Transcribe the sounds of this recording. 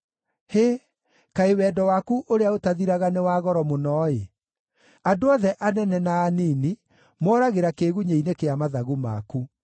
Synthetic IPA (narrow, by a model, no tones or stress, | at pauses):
he | kaewɛːdɔwakuʔoɾeaotaðiɾaɣanewaːɣɔɾɔmonɔːe | andoɔðɛʔanɛnɛnaːniːni | mɔɾaɣeɾakeɣuɲeinekeamaðaɣuma̰ku